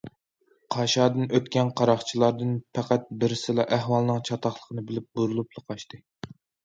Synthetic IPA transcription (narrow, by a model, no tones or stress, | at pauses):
qʰɑʃɑːd̪ɨnøt̪kʲɛnqʰɑɾɑχt͡ʃʰilˠɑɾd̪ɨnpʰæqæt̪̚bɪɾɪsɨlˠɑʔæɦwɑlˠnɨŋt͡ʃʰɑt̪ɑχlˠəqʰənɨbɪlɪp̚buɾulˠuplˠɨqʰɑʃt̪ɨ